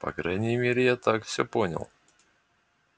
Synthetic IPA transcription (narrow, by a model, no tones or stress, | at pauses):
pɐ̰kɾajnʲɪjəmʲeɾʲɪjat̪akfsʲɵponʲə̰lˠ